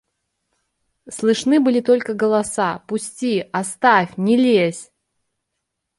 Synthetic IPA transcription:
slˠɨʂnɨbɨlʲit̪olʲkəɡəlˠasapʊsʲtʲiɐst̪afʲnʲɪlʲesʲ

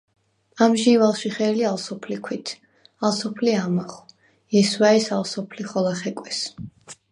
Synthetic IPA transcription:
amʒivalˠʃiχɛːlialˠsɔpʰlikʰwit̪ʰ | alˠsɔpʰliamaχɔ̥ | ɛsvaɛsalˠsɔpʰliχɔlˠaχɛkʼwɛs

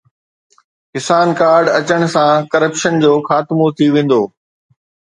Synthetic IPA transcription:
kɪsaːnkaːɾɖɐt͡ɕəɽ̃sãkɐɾəpʃənd͡ʑoːxaːt̪ɪmot̪ʰiʋẽːn̆d̪oː

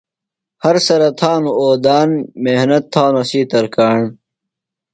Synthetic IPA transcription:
hɐɾsɐɾɐt̪ʰaːnuoːd̪aːnmehnɐt̪ʰːãːnɐsiːt̪ɐɾkaːɳ

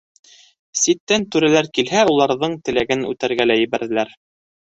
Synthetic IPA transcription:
sit̪ːænt̪ʉɾælæɾkilɦæulˠɑɾðɤɴt̪ɘ̆læɡɘnʉ̰t̪æɾɡælæjɘ̆βæɾðɘ̆læɾ

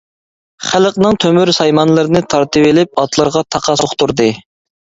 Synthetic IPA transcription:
χæləqnɨŋt̪ʰømyɾsɑjmɑnlˠɨɾɨnɨt̪ʰɑɾt̪ɨvɪlɪp̚ɑt̪lˠɨɾʁɑt̪ʰɑqʰɑoχt̪uɾd̪ɨ

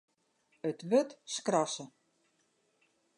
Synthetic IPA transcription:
ətʋøtskrɔsə

